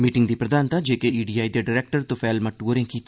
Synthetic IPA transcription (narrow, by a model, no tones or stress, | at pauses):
miːʈɪŋɡd̪ipɾɐd̪aːnt̪ad͡ʒeːkeiːɖiːaːid̪eɖɪɾeːk̚ʈəɾt̪ʊfɛːlmɐʈuɾẽkiːt̪ʰː